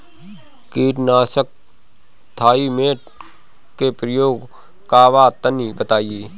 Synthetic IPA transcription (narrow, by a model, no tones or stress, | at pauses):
kiːʈnaːsək̚ | t̪ʰaːimeːʈ | kepɾəjoːɡ | kaːʋaːt̪ənibət̪aːieː